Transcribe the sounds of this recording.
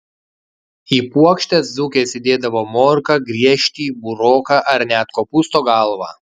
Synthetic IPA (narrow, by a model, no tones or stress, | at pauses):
iːpuɔkʃʲt̪ʲɛszʊkʲeːsʲɪd̪ʲeːd̪ɐʋoːmoːɾkɐɡɾʲiɛʃʲt̪ʲiːbʊɾoːkɑːʔɐɾʲnʲæːt̪koːpʊst̪oːɡɐlˠʋɑ̰ː